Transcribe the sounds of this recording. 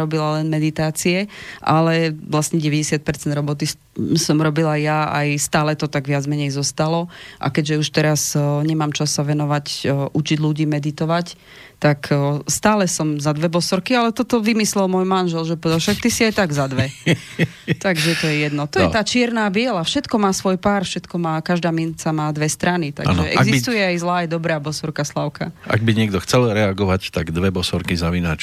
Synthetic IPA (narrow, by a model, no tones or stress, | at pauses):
ɾɔbilalɛnmɛd̪it̪aːt͡siɛʔa̰lɛʋlasɲɛɟɛʋɛɟɛsɪat̪̚pɛɾt͡sɛnd̪ɾɔbɔt̪i | sɔmɾɔbilajjaa̰jst̪aːlɛt̪ɔt̪aɡʋɪad͡zmɛɲɛjzɔst̪alɔʔa̰kɛɟʒɛuʃt̪ɛɾasɲɛmaːmt͡ʃasːaʋɛnɔʋacʔut͡ʃiɟluɟiːmɛd̪it̪ɔʋac | t̪akst̪aːlɛsɔmzad̪ʋɛbɔsɔɾkialɛt̪ɔt̪ɔʋimislɛlmʊɔjmanʒɛlʒɛpɔɛd̪alfʃak̚t̪isiajt̪aɡzad̪ʋɛ | t̪aɡʒɛt̪ɔjɛjɛd̪nɔt̪ɔjɛt̪aːt͡ʃɪɛɾnaːbɪɛlafʃɛt̪kɔmaːsʋɔjpaːɾfʃɛt̪kɔmaːkaʒd̪aːmint͡samaːd̪ʋɛst̪ɾanit̪a̰ɡa̰nɛʔɛ̰ɡzist̪ujɛajzlaːjɛd̪ɔbɾaːbɔsɔɾkaslaʊkaa̰ɡ̚biɲɪɛɡ̚d̪ɔxt͡sɛlɾɛaɡɔʋact̪aɡd̪ʋɛbɔsɔɾkizaʋina̰t͡ʃ